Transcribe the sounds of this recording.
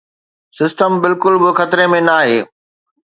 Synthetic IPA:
sɪsʈəmbɪlkʊlbɪxɐt̪ɾemẽnaːɦeː

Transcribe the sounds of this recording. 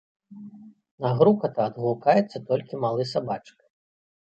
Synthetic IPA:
naɣɾukɐt̪ɐːd̪ɣulˠkajɛt̪sːɐt̪ɔlʲkʲimalˠɨsabat͡ʂk

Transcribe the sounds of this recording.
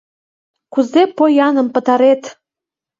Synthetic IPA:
kuzepojɑnə̆mpə̆t̪ɑɾet̪

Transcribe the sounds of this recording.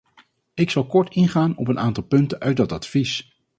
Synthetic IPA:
ɪksɑlˠkɔɹtɪnχaːnɔp̬ənaːntɑlˠpɵntənʔœɥ̚dɑtɑtfis

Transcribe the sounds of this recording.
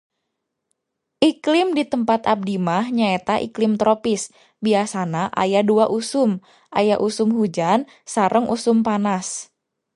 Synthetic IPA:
ʔiklɪmdit̪əmpat̪ab̚dimahɲaet̪aʔḭklɪmt̪ɾopɪs | biasanaʔa̰jaduaʔusʊm | ʔajaʔusʊmɦud͡ʒan | saɾʔəŋʔusʊmpanas

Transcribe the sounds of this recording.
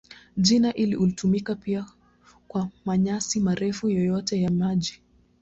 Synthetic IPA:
ʄinaʔiliʔulitumikapia | kwamaɲasimaɾɛfujɔjɔtɛjamaʄi

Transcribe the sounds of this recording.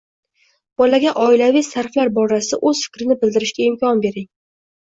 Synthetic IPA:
b̥ɒlaɡʲaʔɒɪlavɪjsaɾflaɾbɒɾasɪa̰ʔɵz̥fɪ̥kʲɾɪnɪbɪld̪ɪɾɪʃkʲaɪmkʲʰɒnbe̞ɾɪŋ

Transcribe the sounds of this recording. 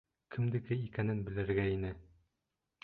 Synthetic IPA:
kʰɘ̆md̪ɘ̆kɘikænɘnbɘ̆lɘ̆ɾɡæinɘ

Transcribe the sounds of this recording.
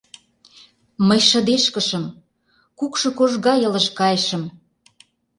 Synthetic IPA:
məjʃɤ̆d̪eʃkə̆ʃə̆m | kukʃɤ̆koʒɣɑjɤ̆lə̆ʃkɑjʃə̆m

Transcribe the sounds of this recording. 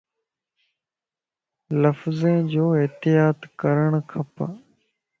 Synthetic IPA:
ləfzẽːd͡ʑoːɪɦt̪ɪjaːt̪kəɾəɳ̃kʰəp

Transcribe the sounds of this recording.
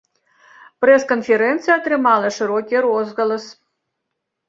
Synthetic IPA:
pɾɛskonfʲeɾɛnt̪sɨjɛɐt̪ɾɨmɑlˠəʂɨɾokʲiɾozɣɐlˠəs

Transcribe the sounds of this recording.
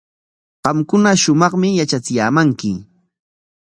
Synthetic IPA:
ɢɑmkʊnaʃʊmɑχmɪjat͡ʃat͡sɪjaːmaŋkɪ

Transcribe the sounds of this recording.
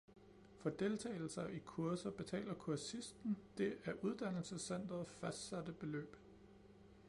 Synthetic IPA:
fɒ̽d̥e̝lt͡sʰɛ̰ːɪl̩sɐʔikʰuɐsɐb̥e̝t͡sʰɛ̰ːlɐkʰuɐsisd̥n̩d̥e̝ʔæɐʔuð̞ˠd̥æn̰l̩səsen̰d̥ɐðˠfæsd̥sæd̥əb̥e̝lø̰ːb̥

